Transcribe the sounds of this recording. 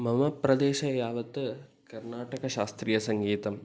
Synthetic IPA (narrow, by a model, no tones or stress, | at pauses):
mɐmɐpɾɐd̪eːʃɐjaːʋɐt̪ːɨ | kɐɾnaːʈɐɣɐʃaːst̪ɾiːjɐsɐŋɡiːt̪ɐm